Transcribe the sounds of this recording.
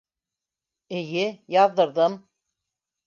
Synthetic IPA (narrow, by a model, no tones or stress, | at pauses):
ɘ̆jɘjɑðːɤ̆ɾðɤm